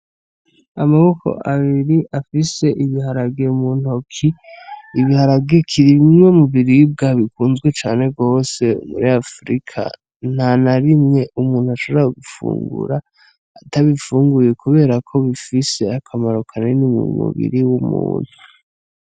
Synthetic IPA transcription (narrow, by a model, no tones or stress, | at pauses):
amaβo̞kʰo̞̰ʔaβiɾiʔafise̞ʔiβihaɾaɡemun̥okʰiiβihaɾaɡekʰiɾimŋe̞muβiɾib̚ɡaβikuːnzɡwe̞t͡ʃa̰ːne̞ɡo̞ːse̞ṵmṵɾiafɾḭkʰa̰ | n̥anaɾimŋe̞umuːn̥huaʃo̞βaɡufṵːŋɡṵɾaː | taβifuːŋɡuje̞kuβe̞ːɾakʰo̞βifise̞akʰamaɾukʰanenimṵmṵβḭɾiwumṵːn̥hu̥